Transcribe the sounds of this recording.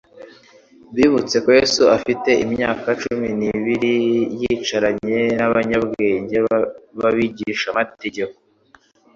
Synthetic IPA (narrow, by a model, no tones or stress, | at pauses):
βiːβut͡se̞ko̞jesuafite̞ʔimɲa̰ːkat͡ʃuminiβiɾijit͡ʃaɾaɲe̞naβaɲabɡeːɲɟeβaβiɟiʃamate̞ɟe̞ko